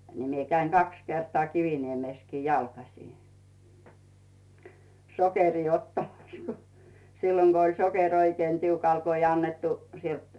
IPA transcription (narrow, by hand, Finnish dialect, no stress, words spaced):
ni mie kæiŋ kɑks kertŏɑˑ kiʋiniemeˑskiː jɑlkɑsiˑ sokeriː otːɑmɑs ko silːoŋ ɡ̊o olʲ sokerʲ oikĭeˑn tiukɑl ko ij ɑnːetːu sielt